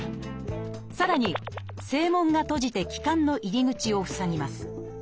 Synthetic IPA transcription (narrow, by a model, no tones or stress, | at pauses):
saɾaɲ̟i | se̞ːmõ̞ŋɡat̪o̞ʑit̪e̞kʲi̥kãnːo̞ʔiɾʲiɡɯ̟t͡ɕio̞ɸɯ̟̥saɲʲimasɨ̥